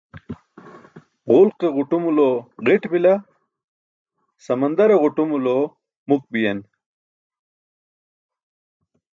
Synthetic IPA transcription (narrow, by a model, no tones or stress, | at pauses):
ʁʊlqeʁuʈumuloʁiʈbila | sɐmɐnd̪ɐɾeʁuʈumulo | muk̚bijɐn